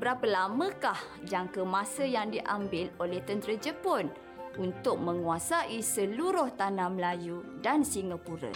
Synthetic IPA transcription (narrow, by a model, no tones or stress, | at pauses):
bəɾapəlamə̃kah | d͡ʒaŋkəmãsəjaŋdiʔambɪlolɛht̪ənt̪ɾəd͡ʒəpʊn | unt̪ʊk̚mə̃ŋuasaʔisəluɾʊht̪anãməlajudansiŋəpuɾə̰